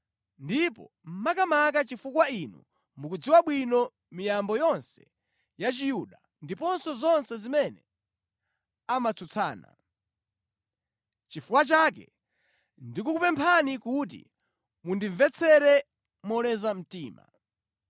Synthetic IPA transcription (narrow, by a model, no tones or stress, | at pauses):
ndipɔ̰ | m̩makamakat͡ʃifukwainṵ | mukud͡ziwaɓwinɔ | mijambɔjɔnsɛ̥ | jat͡ʃijuɗa | ndipɔnsɔzɔnsɛzimɛnɛ̰ | amat͡sʰut͡sʰa̰ːna̰ | t͡ʃifukwat͡ʃak̬ɛ̰ | ndikukupɛmpʰanikut̬ḭ | mundiɱvɛt͡sʰɛɾɛ | mɔlɛzam̩tiːma̰